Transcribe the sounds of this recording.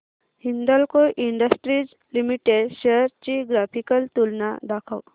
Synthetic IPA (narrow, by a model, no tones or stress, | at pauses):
hind̪əlkoʔiɳɖəsʈɾid͡z | limiʈeɖɕeəɾt͡ɕiɡɾapʰikəlt̪ulnad̪akʰaw